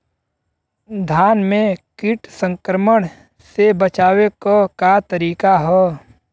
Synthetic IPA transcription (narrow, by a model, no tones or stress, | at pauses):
d̪ʱaːnmẽkɪʈsə̃ŋkɾəməɽ | sebət͡ʃaːwekokat̪əɾiːkaɦɛː